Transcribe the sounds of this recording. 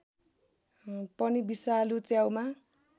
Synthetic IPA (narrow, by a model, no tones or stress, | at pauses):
pʌnibisalut͡sjawma